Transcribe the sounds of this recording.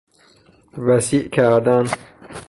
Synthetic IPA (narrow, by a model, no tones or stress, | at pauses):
væsiʔkʲʰæɾd̪an